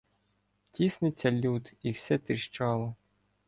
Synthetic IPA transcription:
tʲisnɪt͡sʲːɐlʲut̪iwsʲɛt̪ɪʃt͡ʃɑlˠɔ

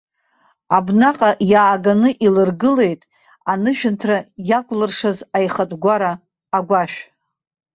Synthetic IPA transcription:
abnaqʼajaːɡanɨʔilɨrɡɨle̞jtʼ | anɨʃᶣɪntʰrajakʷʼlɨrʂazajχatʼɡʷaɾaː | ɡʷaʃᶣ

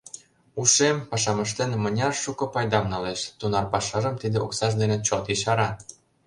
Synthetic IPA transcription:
uʃempɑʃɑmə̆ʃt̪enmə̆nʲɑrʃukɤ̆pɑjd̪ɑmnɑleʃt̪unɑrpɑʃɑʒəmt̪id̪eoksɑʒd̪enet͡ɕot̪iʃɑɾɑ

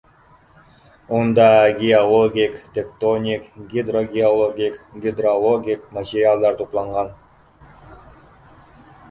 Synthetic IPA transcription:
ond̪ɑɡʲiolˠoɡʲiktʲekt̪onʲikɡʲid̪roɡʲɪolˠoɡʲikɡʲɪd̪rolˠoɡʲikmat̪ʲɪrʲɪalˠd̪ɑɾt̪ʰuplˠɑɴʁɑn

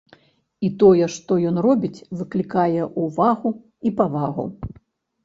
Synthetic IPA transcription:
it̪ɔjɛʂt̪ɔjɔnrɔbʲit͡sʲvɨklʲikajɛʔuvaɣu | ipavaɣṵ

